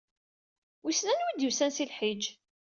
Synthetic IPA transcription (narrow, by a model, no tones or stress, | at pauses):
wisnænwid̪jusænsilħid͡ʒ